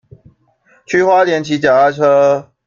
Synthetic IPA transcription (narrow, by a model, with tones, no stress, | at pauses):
t͡ɕʰy˥xwa˦ljɛ˨˦nt͡ɕʰi˨˥t͡ɕja˨˩a˥˩ʈ͡ʂʰɤ˦˥